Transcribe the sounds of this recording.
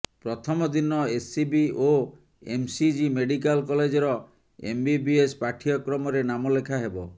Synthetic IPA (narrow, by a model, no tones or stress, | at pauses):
pɾɔt̪ʰɔmɔd̪inɔesibio | ḛmsid͡ʒimeɖik̬alkɔled͡ʒɔɾɔ | ḛmbibiespaʈʰiɔkɾɔmɔɾenamɔlekʰaɦebɔ